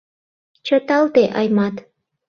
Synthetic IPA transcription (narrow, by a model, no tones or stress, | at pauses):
t͡ɕət̪ɑlt̪eʔɑjmɑt̪